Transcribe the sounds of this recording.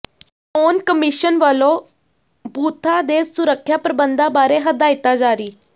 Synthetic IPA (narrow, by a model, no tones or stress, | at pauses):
oːnkəmɪʃənʋəlõː | buːt̪ʰaːd̪eːsʊɾəkʰːjaːpɾəbənd̪ãːbaːɾeːɦəd̪aːɪt̪aːd͡ʒaːɾiː